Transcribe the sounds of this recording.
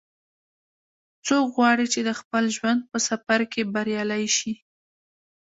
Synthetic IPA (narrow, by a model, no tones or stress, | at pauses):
t͡sokɣwɑɽit͡ʃed̪əxpəlʒwand̪̚pəsafaɾkebaɾjɑlajʃi